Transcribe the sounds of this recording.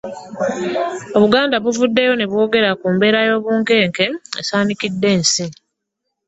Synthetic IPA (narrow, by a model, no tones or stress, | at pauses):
o̞βuɡaːndaβuvudːe̞jo̞ne̞βwo̞ːɡe̞ɾakuːmbe̞ːɾajo̞ːβuːŋke̞ːŋke̞ḛsaːnikidːe̞ːnsi